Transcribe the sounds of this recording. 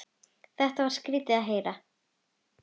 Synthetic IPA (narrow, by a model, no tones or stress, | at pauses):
θɛht̪avaɾ̥skɾiːt̪ɪaðɦeːjɾa